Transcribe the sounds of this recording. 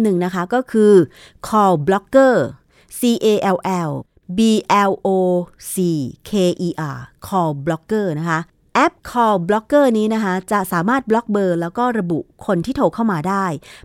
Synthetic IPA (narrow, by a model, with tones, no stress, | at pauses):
nɯ˨˩ŋna˦˥kʰa˦˥kɔː˥˩kʰɯː˧ | kʰɔː˧wblɔ˦˥kːɤː˥˩ | siː˧ʔeː˧ʔɛ˧wʔɛ˧w | biː˧ʔɛ˧wʔoː˧siː˨˧kʰeː˧ʔiː˧ʔaː˧˩kʰɔː˧wblɔ˦˥kːɤː˥˩na˦˥kʰa˦˥ʔ | ʔɛ˦˥p̚kʰɔː˧wblɔ˦˥kːɤː˥˩niː˦˥na˦˥kʰa˦˥t͡ɕa˨˩saː˩˦maː˥˩t̪̚blɔ˦˥k̚bɤː˧lɛː˦˥wkɔː˥˩ɾa˧bṵ˨˩ʔkʰo˧nt̪ʰiː˥˩t̪ʰoː˧˩kʰaː˥˩wmaː˧daː˥˩j